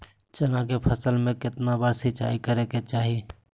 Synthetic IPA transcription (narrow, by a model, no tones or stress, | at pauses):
t͡ʃɐnãkepʰəsəlmẽkɪt̪nabəɾsit͡ʃa̰ːikəɾeket͡ʃaːɦi